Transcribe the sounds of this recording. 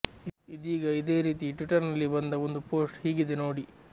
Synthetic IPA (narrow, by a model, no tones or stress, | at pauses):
id̪iːɡɐid̪e̞ːɾiːt̪iʈʋiʈɐɾnɐlːibɐnd̪ɐond̪upoːsʈhiːɡid̪eno̞ːɽi